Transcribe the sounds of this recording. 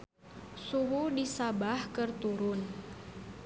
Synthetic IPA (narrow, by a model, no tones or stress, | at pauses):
suɦudisabahkərt̪uɾʊn